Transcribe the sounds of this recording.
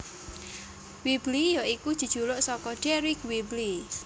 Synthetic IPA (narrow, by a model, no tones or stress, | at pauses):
wiblijoikud̥ʒ̥ṳd̥ʒ̥ṳloʔsɔkɔɖ̥ɛɾikwibli